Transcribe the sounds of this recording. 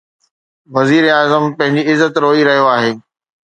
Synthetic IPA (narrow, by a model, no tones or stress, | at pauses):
ʋɐziːɾeaːzəmpɐ̃ɦɪ̃ɲd͡ʑiɪzːət̪ɾoːiɾɐɦijoaːɦeː